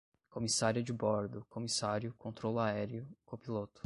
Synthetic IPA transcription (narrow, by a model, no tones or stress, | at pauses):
komisaɾiɐd͡ʒɪbɔɾd̪ʊkomisaɾjʊkõt̪ɾolʊaɛɾjʊkopilot̪ʊ̥